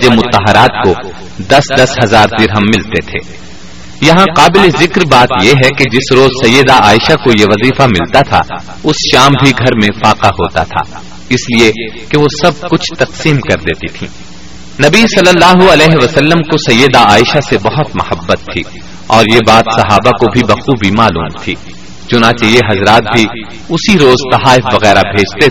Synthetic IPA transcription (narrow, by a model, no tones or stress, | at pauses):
d͡ʒemʊt̪ːɐɦɐɾaːt̪̚ko | d̪ɐsd̪ɐsɦɐzaːɾd̪ɪɾɦɐmːɪlt̪et̪ʰḛː | jɐɦãqaːbɪlezɪkɾbaːt̪jeɦɛked͡ʒɪsɾoːzsɐjːəd̪aaːɪʃakojeʋɐziːfamɪlt̪at̪ʰa̰ | ʊsʃaːmbʱiɡʱɐɾmẽfaːqaɦoːt̪a̰t̪ʰa̰ː | ɪsliekeʋosɐb̚kʊt͡ʃʰt̪ɐqsiːmkɐɾd̪eːt̪it̪ʰḭ̃ː | nɐbisɐlːəlːaːɦuɐlɛːɦeʋɐsɐlːəmkosɐjːəd̪aaːɪʃasebɐɦʊt̪mɐhəbːət̪ʰːḭː | ɔːɾjebaːt̪sɐɦaːbakobʱibɐxuːbʱimaːlṵːmt̪ʰiː | t͡ʃʊnãːt͡ʃejeɦɐzɾaːt̪̚bʱi | ʊsiɾoːzt̪ɐɦaːɪfʋɐɣɛːɾabʱeːd͡ʒt̪e